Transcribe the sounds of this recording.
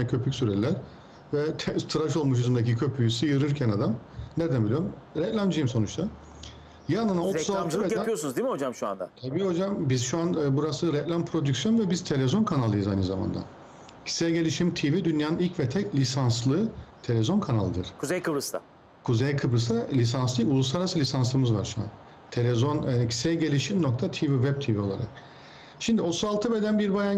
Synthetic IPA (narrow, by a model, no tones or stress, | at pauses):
nɛcʰø̞pʰycʲsyɾɛlʲæɾ̥ | vɛt̪ʰɛt̪ʰɯɾaʃo̞lˠmuʃ̬yzymd̪ec̬icʰø̞pʰyjsɯjɯɾɯɾcʰænad̪amned̪ænbilʲijoɾmɾɛklʲand͡ʒijimso̞nut͡ʃt̪ʰa | jananaosaɯeijosunuzd̪imiho̞d͡ʒamʃua̰nd̪a̰t̪ʰabiːho̞d͡ʒambizʃuanbuɾasɯɾɛklʲanpʰɾo̞d̪ycsjo̞nvɛbiz̥t̪ʰe̞lʲezo̞nkʰanalˠːɯjɯzajnɯzama̰nd̪a̰ | cʰi̥sejɟe̞lʲiʃimt̪ʰivid̪ynjaːnɯnilʲcvɛt̪ʰɛclʲisanslˠɯt̪ʰe̞lʲezo̞nkʰanalˠɯd̪ɯ̰ɾ̥kʰuzejkʰɯbɾɯst̪a̰ | kʰuzejkʰɯbɾɯsalʲis̬anslˠɯulˠuslˠaɾasɯlʲisanslˠɯmɯzva̰ɾʃua̰n | t̪ʰe̞lʲezoncʰi̥sɛjɟe̞lʲiʃimno̞k̚t̪ʰat̪ʰivivɛb̚t̪ʰivio̞lˠa̰ɾa̰k̚ | ʃimd̪iot̪ʰuzalˠt̪ʰɯbed̪ænbiɾbajan